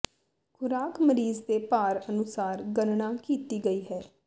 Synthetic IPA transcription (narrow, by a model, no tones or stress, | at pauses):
kʰʊɾaːkməɾiːzd̪eːpaːɾənʊsaːɾɡənɳaːkiːt̪iːɡəiːɦɛː